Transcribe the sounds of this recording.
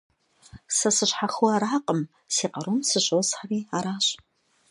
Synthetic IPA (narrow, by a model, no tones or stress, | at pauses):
sɐsɨɕħaxuaːɾaːqʼəm | siːqɐɾumsɨɕʼosħariːaːɾaːɕʼ